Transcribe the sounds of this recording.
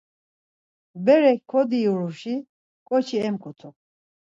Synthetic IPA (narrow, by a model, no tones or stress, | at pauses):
bɛɾɛkʰɔd̪iuɾuʃi | kʼɔt͡ʃʰiɛmkʰʼut̪ʰɔ